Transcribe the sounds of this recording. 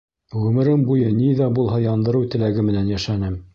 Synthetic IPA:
ʁɵ̆mɘ̆ɾɘmbujɤniðæbulˠɦɑjɑnd̪ɤ̆ɾɤwt̪ɘ̆læɡɘmɘ̆nænjæʃænɘm

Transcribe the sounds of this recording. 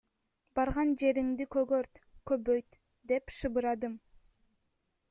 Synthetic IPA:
bɑɾʁɑnd͡ʒe̞ɾiŋd̪ikøɡøɾt̪købøjt̪ | d̪e̞pʃɯbɯɾɑd̪ɯm

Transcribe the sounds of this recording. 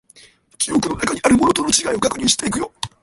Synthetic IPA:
kʲijo̞kɯ̟no̞nakaɲ̟iaɾɯ̟mo̞not̪o̞no̞t͡ɕiɡaio̞ɡakɯ̟ɲ̟ʲĩɕi̥t̪e̞ikɯ̟jo̞

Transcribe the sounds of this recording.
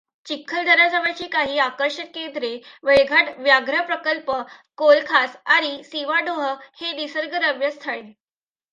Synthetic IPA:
t͡ɕikʰːəld̪ʱəɾad͡zaʋat͡ɕiːkaɦiːakəɾʂət̪̚kend̪ɾeʋeɭɡʱaʈʋjaɡɾəpɾəkəlpəkolkʰasaɾisiʋaɖoɦəhed̪isəɾɡəɾəʋjəst̪ʰəɭe

